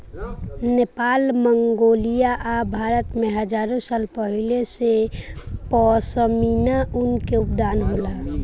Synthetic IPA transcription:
nepaːlməŋɡoːlijaʔabʱaːɾət̪mẽɦəd͡ʒaːɾõsaːlpəɦilesepɔsəminaʔʊnkeʊpd̪aːnɦoːlaː

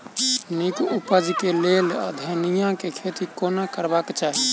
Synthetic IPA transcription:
nikupəd͡ʒkelel̰d̪ʱənijãkekʰet̪ikonakəɾbakt͡ʃaɦi

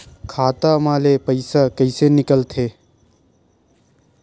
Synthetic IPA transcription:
kʰaːt̪amaːlepəɪsakəɪsenɪkəlt̪ʰeː

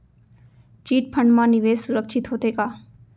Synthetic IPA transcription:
t͡ʃiːʈ̚pʰəɳɖmãːnɪʋeːssʊɾəkʃʰɪt̪ɦoːt̪eːkaː

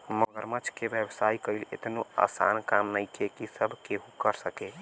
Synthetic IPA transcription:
məɡəɾmət͡ʃʰkebjebsaikəilḛt̪noa̰sa̰nkamnəjkekisəbʱkeɦũkəɾsəke

